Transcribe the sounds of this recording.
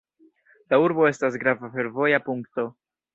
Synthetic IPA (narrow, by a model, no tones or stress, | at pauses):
lauɾbo̞e̞stas̬ɡɾavafe̞ɾvo̞japuŋkto̞